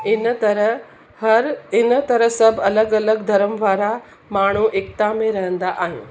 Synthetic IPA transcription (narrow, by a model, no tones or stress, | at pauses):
ɪnɐɾə | ɐɾɪnt̪ɐɾəɦsɐbʱɐləɡɐləɡd̪ʱɐɾəmʋaːɾa | maːɳ̤̃uʔek̚t̪amẽɾɐɦə̃nd̪aʔaːɦɪ̃n